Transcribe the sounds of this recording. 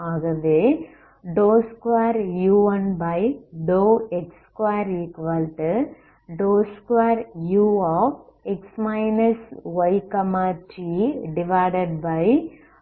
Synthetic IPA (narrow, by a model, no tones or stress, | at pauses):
aːɣɐʋeː | ɖoːskʋaːɾjuːɐnbɐɪɖoːɛkskʋaɾiːkʋalʈ | ɖoːskʋaːɾjuːɔːfɛksmaɪnɐsʋɐɪkɐmaːt͡ʃiːɖɪʋaɪɖɐɖ̚bɐɪ